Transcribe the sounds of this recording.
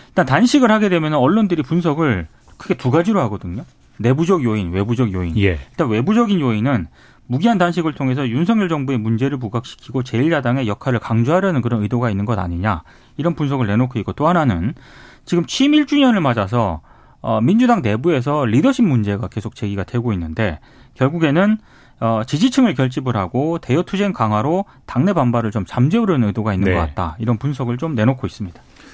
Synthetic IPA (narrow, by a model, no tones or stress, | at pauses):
iɭt͈antanɕʰiɡɯɭhaɡe̞dwe̞mjʌnɯnʌɭːondɯɾipunsʰʌɡɯɭ | kʰɯɡe̞tuɡad͡ʑiɾoɦaɡʌdɯɲo | ne̞bud͡ʑʌɡjoinwe̞bud͡ʑʌɡjoinjiɭt͈anwe̞bud͡ʑʌɡinjoinɯn | muɡiɦandanɕʰiɡɯɭtʰoŋe̞s̬ʰʌjunsʰʌŋjuɭd͡ʑʌŋbue̞mund͡ʑe̞ɾɯɭmuɡak̚ɕ͈ʰi̥kʰiɡot͡ɕe̞iɭd͡ʑadaŋe̞jʌkʰaɾɯɭkaŋd͡ʑuɦaɾjʌnɯnk̬ɯɾʌnɯdoɡainːɯnŋɡʌda̰ɲiɲa | iɾʌnpuns̬ʰʌɡɯɭne̞nokʰɯiɡot͈oɦananɯnt͡ɕiɡɯmt͡ɕʰimiɭt͡ɕ͈uɲʌnɯɭmad͡ʑas̬ʰʌ | ʌmind͡ʑudaŋne̞bue̞sʰʌɾidʌɕʰimːund͡ʑe̞ɡake̞sʰok̚t͡ɕe̞ɡiɡadwe̞ɡoinːɯnde̞ | kjʌɭɡuɡe̞nɯn | ʌt͡ɕid͡ʑit͡ɕʰɯŋɯɭkjʌɭt͡ɕ͈ibɯɾɦaɡote̞jʌtʰud͡ʑe̞nkaŋɦwaɾo | taŋne̞bambaɾɯɭt͡ɕomt͡ɕamd͡ʑeuɾʌnɯnɯdoɡainːɯnɡʌkat̚t͈a̰iɾʌnpunsʰʌɡɯɭt͡ɕomne̞nokʰois͈ɯmɲid̥ḁ